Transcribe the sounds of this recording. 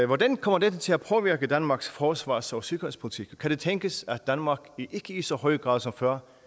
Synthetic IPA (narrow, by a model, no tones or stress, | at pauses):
ʋɒd̥ænkʰɒ̽m̰ɐd̥ed̥ət͡sʰe̝læpʰɒ̽ʋiɐɡ̥əd̥ænmɑ̈ːɡ̥sfɒːsʋɑ̰̈ːsɒsyɡ̥ɐʁenspʰo̝lit͡sʰiɡ̥kʰːæɾ̥e̝t͡sʰeŋɡ̥əsæd̥ænmɑ̈ːɡ̥iʔe̝ɡ̥əisɒ̽hɒ̽ɪɡ̥ʁɑ̈ːðˠsɒ̽mfɶɐ̰